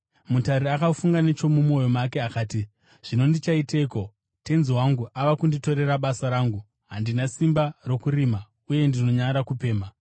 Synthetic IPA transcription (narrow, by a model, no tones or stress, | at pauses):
mutaɾiakafuŋɡanet͡ʃo̞mumo̞jo̞makeakaːti | ʐ̥ino̞ndit͡ʃaiteko̞ | te̞nziwaŋɡuʔaʋakundito̞ɾe̞raɓasaɾaːŋɡu | ɦandinasimbaro̞kuɾima | uje̞ndino̞ɲaɾakupe̞ːma